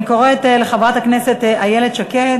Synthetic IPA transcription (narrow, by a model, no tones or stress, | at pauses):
koʁet̪eleχavʁat̪akneset̪ajeled̪ʃakeae